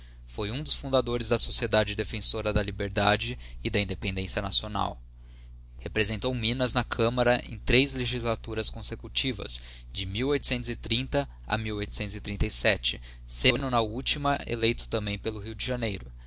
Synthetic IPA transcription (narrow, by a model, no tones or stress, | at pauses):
fojũd̪ʊsfũd̪ad̪oɾɪzd̪ɐsosied̪ad͡ʒɪd̪efẽsoɾɐd̪ɐlibeɾd̪ad͡ʒɪːd̪ɐĩd̪epẽnd̪ẽsiɐnasiona̰w | hepɾezẽnt̪owmĩnɐznɐkʰɐ̃mɐɾɐʔḛ̃j̃t̪ɾezleʒizlat̪uɾɐskõsekut͡ʃivɐ̰s | d͡ʒɪmiwojt̪ʊ̥sẽnt̪ʊzɪt̪ɾĩnt̪ɐ | ɐ̰miwojt̪ʊ̥sẽnʊzɪt̪ɾĩnt̪ɐjsɛt͡ʃɪ | sẽnʊnɐut͡ʃimɐḛlejt̪ʊ̥t̪ɐ̃mbẽj̃pelʊɦiwd͡ʒɪʒɐnejɾʊ